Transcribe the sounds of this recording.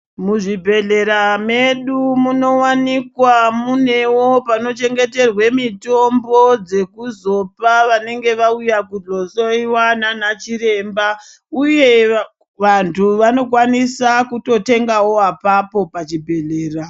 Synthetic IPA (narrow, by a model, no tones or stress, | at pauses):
muʐibʱe̞ɮe̞ɾame̞ɗumuno̞wanikwamune̞wo̞pano̞t͡ʃe̞ŋɡe̞te̞rwe̞mito̞mbo̞d͡ze̞kuzo̞paʋane̞ŋɡe̞ʋaujakuɮosoiwananat͡ʃiɾe̞mba | uje̞ | ʋantʰuʋano̞k̬wanisakuto̞te̞ŋɡawo̞apapo̞pat͡ʃibʱe̞ɮeːra